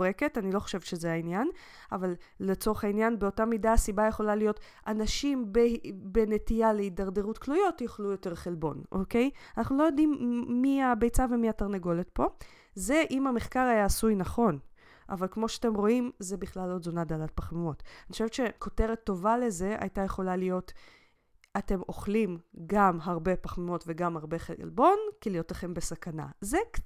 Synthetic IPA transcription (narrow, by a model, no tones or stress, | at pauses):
ʁeke̞tanilo̞χo̥ʃevʃezeainjan | avalːet͡so̞ʁeχainjanbeo̞tamidaːsibaje̞χo̞lalijo̞t | anaʃimbebenetijaleidaʁde̞ʁutklujo̞tjoχlujo̞te̞ʁχelbo̞̰nʔo̰ke̞janaχnulojo̞dimːiabejt͡savemiataʁneɡo̞le̞tpo̞ | ze̞ʔimameχkaʁhajaːsujnaχo̞n | ʔa̰valkmo̞ʃeate̞mʁo̞imzebiχlalotdzonad̪alat̚paχmumo̞taniχoʃevtʃeko̞te̞ʁet̪ːo̞vale̞ze̞ʔa̰jtaje̞χo̞lalijo̞t | ate̞mo̞χlimɡamɦaʁbe̞paχmumo̞tve̞ɡamaʁbe̞χelbo̞nkilijo̞tleχe̞mbe̞sakana̰zek